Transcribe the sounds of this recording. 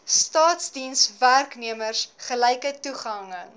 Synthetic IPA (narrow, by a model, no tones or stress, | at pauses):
stɑːtsdinsværkniəmərsχəlɛjkətuχɐŋə